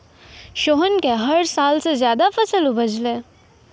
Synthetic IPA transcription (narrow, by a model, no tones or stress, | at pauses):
ʃoːɦənkeɦɐɾsaːlsezjaːd̪afɐsəlubʱəd͡ʒlẽː